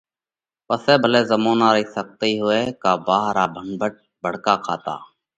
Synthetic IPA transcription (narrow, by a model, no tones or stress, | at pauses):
pəsɛːbʱəleːzəmoːnaːɾəiːsək̚t̪iːɦoːeːkaːbaːɦɾaːbʱəɳbʱəʈ̚ | bʱəɽ̤kaːkʰa̰ːt̪a̰ː